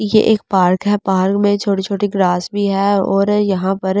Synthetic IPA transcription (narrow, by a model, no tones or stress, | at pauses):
jeʔeːk̚paːɾkɦɛpaːɾkmẽt͡ʃʰoːʈit͡ʃʰoːʈiɡlaːsbʱiɦɛɔːɾjɐɦãpɐɾ